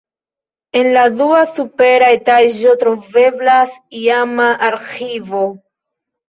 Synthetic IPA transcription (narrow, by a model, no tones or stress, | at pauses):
e̞nladuasupe̞ɾajtaʒo̞tɾo̞ve̞blasiamaʔaɾxivo